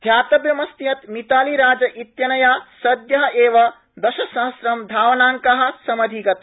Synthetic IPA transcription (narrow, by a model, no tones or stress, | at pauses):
d̪ʱjaːt̪ɐbjɐmɐst̪ijɐt̪mit̪aːliɾaːd͡ʒɐʔit̪jɐnɐjaːsɐd̪jɐɦeːʋɐ | d̪ɐʃɐsɐɦɐsɾɐmd̪ʱaːʋnaːŋkɐɦɐ̆sɐmɐd̪ʱikɐt̪